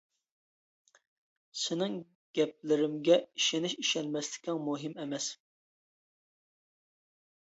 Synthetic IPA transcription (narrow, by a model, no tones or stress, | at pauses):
sɪnɪŋ | ɡʲɛp̚lɪɾɪmɡʲɛiʃɪnɪʃiʃɛnmɛslɪ̥k̪ʲʰɪŋmuɦɪmɛmɛs